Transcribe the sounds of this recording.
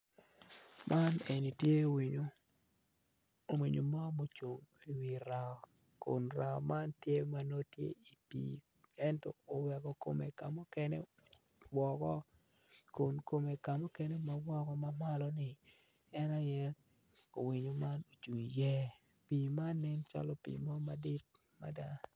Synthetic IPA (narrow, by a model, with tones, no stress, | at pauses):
mʔa˦ne˨ni˨tje˦wi˨ɲo˦ | o˨mwi˨ɲo˨ma˦mo˨t͡ʃo˨ŋi˨wi˨ɾa˨ɔ˨ | ko̰˨nɾa˨ɔ̰˨ma˦ntje˦ma˨no˦tjḛ˦i˨pḭː˨ | ɛ˦ntɔː˨wɛ˨kɔ˨ko˦me˨ka˨mo˦kɛ˦nḛ˦ | wɔ˨kɔ˦ | kʊ˨nko˨me˨ka˨mo˦kɛ˦ne˦ma˨wɔ˦kɔ˦ma˦ma˦lɔ˦nɪ˨ | ɛ˦na˦jɛ˦ | o˨wi˨ɲo˨ma˦no˨t͡ʃu˨ŋjɛ˦ | pi˨ma˦nːɪ˦nt͡ʃa̰˦lɔ˦pḭ˨mɔ˦ma˨dɪ˦t̚ | ma̰˨da˦